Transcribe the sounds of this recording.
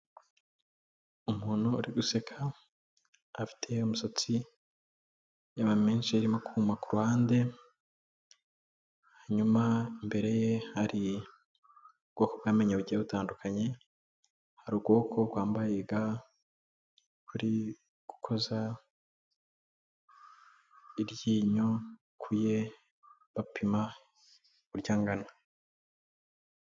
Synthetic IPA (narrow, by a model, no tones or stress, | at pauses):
umuːn̥hṵːɾiɡuse̞kʰa | fi̥tʰe̞umuso̞t͡si | jaβameːnʃiaɾimo̞kuumakuɾuhaːnde̞ | haɲumaimbe̞ɾe̞jehaɾi | ubɡo̞kobɡaːme̞ɲeβuɟiaβutaːndukʰaɲe̞ | haɾub̚ɡwo̞ːkʰo̞ɡwaːmbajeɡa | kʰuɾi | ɡ̥ukʰo̞za | iɾɟiːɲo | kʰuje̞ | βapʰima | uɾɟaːŋɡana